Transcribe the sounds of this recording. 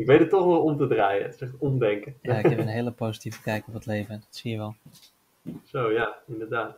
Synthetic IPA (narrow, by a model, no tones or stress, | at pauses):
ɪkʋejdətːɔχʋɛlˠɔmtədraːjə̰sɛχtɔmdɛŋkəjaɪɛpənɦeːləpoːzitivə̥kɛjkəɔpətlejvədɔtsiːjəʋɛlˠ | sowjaɪndəɹdaːt